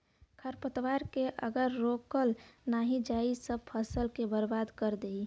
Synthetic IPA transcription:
kʰəɾpət̪ʋaɾkeʔə̰ɡəɾːokəlnaɦid͡ʒaisəb̚pʰəsəlkebəɾbaːd̪kəɾd̪ei

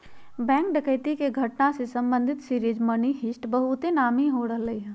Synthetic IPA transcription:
bɛ̃ːŋk̚ɖɐkəɪt̪ikeɡʱɐʈnasesɐ̃mbə̃nd̪ʱɪt̪siɾiːd͡ʒmɐniɦɪsʈbɐɦʊt̪enaːmiɦoɽəɦlɐiɦɛː

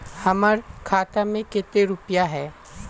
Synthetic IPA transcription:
hɐməɾkʰaːt̪amẽkɪt̪eɾʊpjaɦɛː

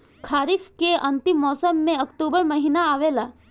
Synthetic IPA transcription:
kʰaːɾifkeə̃nt̪imːɔːsəmːẽəkʈubəɾməɦinaːʋela

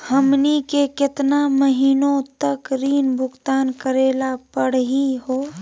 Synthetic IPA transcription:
həmnikekɪt̪naməɦiːnõt̪əkɾiːnbʱʊɡt̪aːnkəɾeːlapəɽ̤ɦiɦoː

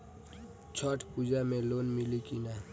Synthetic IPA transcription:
t͡ʃʰɔʈʰpud͡ʒamẽloːnmɪlikina

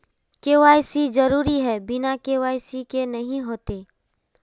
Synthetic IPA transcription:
keːʋaːjsid͡ʒɐɾuːɾiɦɛbɪnakeːwaːjsikenɐɦĩɦoːt̪eː

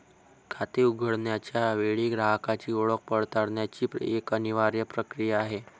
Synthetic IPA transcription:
kʰat̪euɡʱəɽɳjat͡ɕjaʋeɭiːɡɾaɦkat͡ɕiːuɭək̚pəɽt̪aɽɳjat͡ɕiːpekəniʋaɾjəpɾəkɾijaːɦe

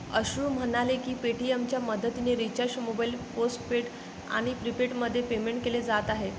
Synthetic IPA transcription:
əɕɾuːm̤əɽ̃alekiːpeʈiemt͡ɕjaməd̪ʱət̪ineɾit͡ɕaɕmobailposʈ̚peʈ | a̰ɽ̃ipɾipeʈməd̪ʱːjepemeɳʈ̚keled͡zat̪aɦe

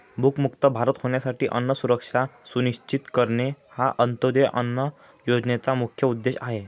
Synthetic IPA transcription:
bʱukmuk̚t̪əbʱaɾət̪hoɳjasaʈiːʔənːəsuɾəkʂasuniɕt͡ɕit̪kəɾɳehaʔənt̪od̪eʔə̰nːə | jod͡znet͡samukʰjəud̪ːeɕaɦe

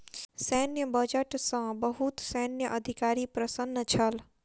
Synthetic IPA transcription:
sɛnjəbəd͡ʒəʈsãbəɦut̪sɛnjəʔəd̪ʱikaːɾipɾəsənːət͡ʃʰəl

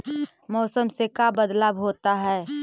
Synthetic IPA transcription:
mɔːsəmsekabəd̪laːbɦoːt̪aɦɛː

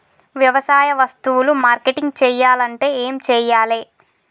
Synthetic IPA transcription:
ʋjɐʋɐsaːjɐʋɐst̪uwulumaːɾkeʈiŋɡt͡ʃɛːjːaːlɐɳʈe̞ːeːmt͡ʃɛːjaːleː

